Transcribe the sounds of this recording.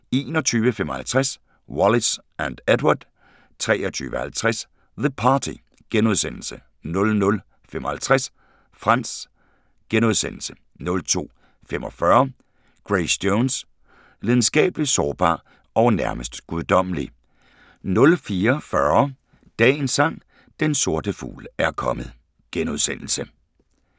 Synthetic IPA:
e̝ːnɒt͡sʰyːʋəfemɒhælt͡sʰʁas | wɒlis | ænd̥ed̥wad̥ | t͡sʰʁɛːɐt͡sʰy̰ːʋəhælt͡sʰʁas | ðəpʰɑːt͡sʰḭ | ɡ̥enuð̞ˠsen̰l̩sə | nɔ̽lnɔ̽l | fem̰ʔɒ̽hælt͡sʰʁas | fʁɑ̈n̰s | ɡ̥enoð̞ˠsenl̩sə̥ | nɔ̽lt͡sʰo̝̰ː | femʔɒ̽fɶɐ | ɡ̥ʁesd̥joːns | leð̞ˠn̩sɡ̥ɛ̰ːb̥əli̥sɒːb̥ɑ̰̈ː | ɒʊnæɐməsd̥ɡ̥uðˠd̥ɒ̽m̰əli | nɔ̽lfiːɐfɶɐ | d̥ɛ̰ːnsɑ̈ŋ̰ | d̥enso̝ɐ̰d̥əfṵːlæɐkʰɒ̽mð̩ˠ | ɡ̥enuðˠsen̰l̩sə

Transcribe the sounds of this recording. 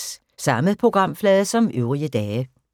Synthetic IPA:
sɑ̈məð̩ˠpʰʁo̝ɡ̥ʁɑ̈m̰flɛːðˠəsɒ̽møʊʁiəd̥ɛːə

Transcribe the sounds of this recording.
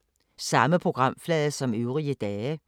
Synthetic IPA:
sɑ̈məpʰʁoɡ̥ʁɑ̈m̰flɛːðəsɒ̽møʊʁiəd̪̥ɛːə

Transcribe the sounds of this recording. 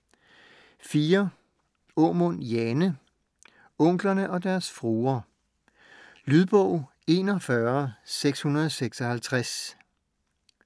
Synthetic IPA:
fiːɐ | ɔmɔnjenə | ɔ̽ŋ̰ɡ̥lɐnəʔɒ̽d̥æɐsfʁuːɐ | lyðˠb̥ɔ̽ʊ̰ | e̝ːnɒ̽fɶɐseɡ̥shunɐð̞̩ˠɒ̽seɡ̥sɒ̽hælt͡sʰʁas

